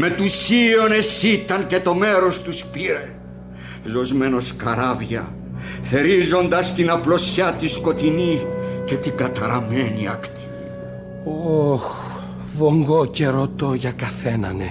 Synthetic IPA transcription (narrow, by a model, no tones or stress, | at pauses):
me̞t̪usio̞ne̞sit̪ɐnce̞t̪o̞me̞ɾo̞st̪uspiɾe̞ | zo̞zmeno̞skɐɾɐvʝɐ̰ | θe̞ɾizo̞nd̪ɐst̪inɐplo̞sçɐt̪isko̞t̪inice̞t̪iɡɐt̪ɐɾɐmeniɐ̰kt̪i̥ | ox | vo̞ŋɡoceɾo̞t̪o̞ʝɐkɐθe̞nɐ̰ne